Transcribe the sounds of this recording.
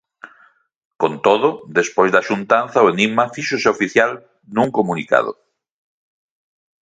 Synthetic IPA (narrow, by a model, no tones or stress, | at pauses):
kont̪oð̞ʊd̪espojzðaʃunt̪anθaoeniɣmafiʃoseofiθjal | nuŋkomunika̰ðo̰